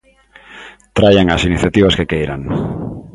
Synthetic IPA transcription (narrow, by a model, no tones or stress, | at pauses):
t̪ɾajaŋasiniθjat̪iβ̞askekejɾa̰ŋ